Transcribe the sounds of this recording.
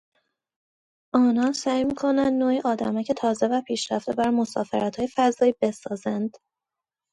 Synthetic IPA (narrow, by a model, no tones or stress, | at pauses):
ʔɒːnɒːnsæːjmiːkʰo̞nænd̪noːjiʔɒːd̪æmæcʰe̞t̪ʰɒːze̞væpʰiːʃɾæ̰ft̪e̞bæɾmo̞sɒ̰ːfḛɾæt̪ʰhɒːjefæzɒːiːbe̞sɒːzænd̪̥